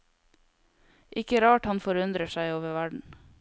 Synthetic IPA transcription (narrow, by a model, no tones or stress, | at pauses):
ʔɪkəɾɑːʈhɑnfɔɾʉnd̪ɾəʃæɪoːʋəʋæɖɳ̩